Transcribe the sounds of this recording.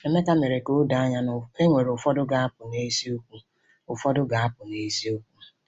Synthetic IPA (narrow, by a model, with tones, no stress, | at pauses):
e˦me˦ka˦me˨ɾe˨ko˦da˨a˦ɲa˦nʊ˨e˦ŋʷe˨ɾo˨fɔ˦dʊ˦ɡa˨a˦pʊ˨ne˦si˦o˦kʷu˦ | ʊ˨fɔ˦dʊ˦ɡa˨a˦pʊ˨ne˨˦si˦o˦kʷu˦